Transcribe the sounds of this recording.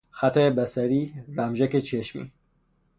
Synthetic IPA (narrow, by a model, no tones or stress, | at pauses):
xæt̪ʰaebæsæɾiːɾæmʒæket͡ʃʰeʃmḭː